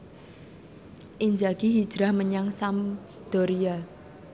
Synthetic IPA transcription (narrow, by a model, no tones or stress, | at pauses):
ʔiɲd͡ʒaɡ̥iɦid̥d͡ʒ̥ɾahməɲaŋsam | d̪̥ɔ̤ɾija